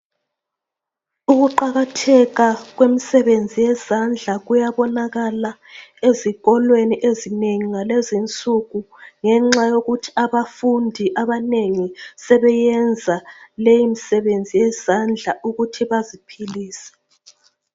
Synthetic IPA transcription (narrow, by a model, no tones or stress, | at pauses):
uɣuǃaɣatʰɛɣaɣwemisɛβend͡zʱijɛzand͡ɮʱaɣujaβɔnaɣala | eziɣɔlweniʔezineŋiŋalezint͡sʼuɣu | ŋɛŋ͡ǁajoɣutʰi̥aβafundʱiʔaβaneŋisɛβɛjɛnd͡zʱalejimisɛβend͡zʱijɛz̥and͡ɮʱaʔuɣutʰiβazipʰiliːsɛ̥